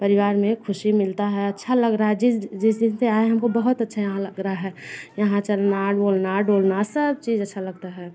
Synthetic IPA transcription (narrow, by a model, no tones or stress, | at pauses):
pəɾɪʋaːɾmẽkʰʊʃimɪlt̪aɦɛɐtːʃʰaləɡɾaɦɛd͡ʒɪd͡ʒɪsd̪ɪnseaːeɦɐmkobəɦʊt̪ətːʃʰajɐɦãləɡɾaaɦɛːjəɦãt͡ʃəlnaɖboːlnaɖoːlnasəbt͡ʃiːzətːʃʰaləɡt̪aɦɛː